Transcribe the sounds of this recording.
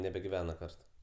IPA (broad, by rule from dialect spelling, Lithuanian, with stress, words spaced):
nʲɛbʲɛɡʲɪˈʋʲæːnɐ ˈkɐrt